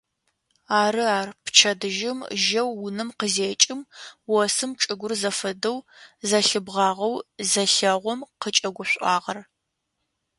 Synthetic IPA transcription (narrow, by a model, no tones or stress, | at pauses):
aːɾɨaːrpʰt͡ʃʰɐdɨʒɪmʒɐwːʊnɨmqəzeːt͡ʃʼɪmwɔsɨmʈ͡ʂʼɨɡʷʊrzɐfɐdɐwzɐɬɨbʁɑːʁɐwzɐɬɐʁʷɔmqət͡ʃʼɐɡʷʊɕʷʼɑːʁɐr